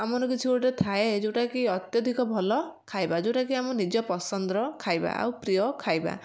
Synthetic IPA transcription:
amɔnɔkit͡ʃʰioɽʈet̪ʰaed͡ʒuʈakiɔt̪jɔd̪ʱikɔbʱɔlɔkʰajbad͡ʒoʈakiamɔnid͡ʒɔpɔsɔnd̪ɾɔkʰajba̰a̰wpɾijɔkʰajba̰

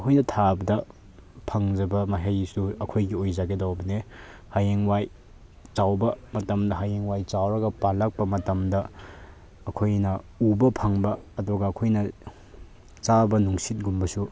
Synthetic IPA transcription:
ɐkʰojnɐtʰabɐdɐ | pʰɐŋd͡ʒɐbɐmaɦejsuɐkʰojɡiojzaɡedawbɐne | hajeŋwaj | t͡ʃawbɐmɐtɐmdɐɦajeŋwajt͡ʃawɾɐɡɐpalɐk̚pɐmɐtɐmdɐː | kʰojnɐ | ubɐpʰɐŋbɐːduɡɐːkʰojnɐ | t͡ʃabɐnuŋsit̚ɡumbɐsu

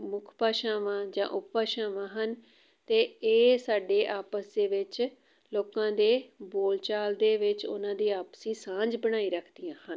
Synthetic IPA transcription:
mʊkʰpaːʃaːʋãːd͡ʒã̰ːʔʊppaːʃaːʋãːɦən | t̪eːeːsaːɖeːʔaːpəsd̪eːʋɪt͡ʃ | loːkãːd̪eːboːlt͡ʃaːld̪eːʋɪt͡ʃʊ̰nãːd̪iːaːpsiːsãːd͡ʒbəɽ̃aːiːɾəkʰd̪ɪjãːhən

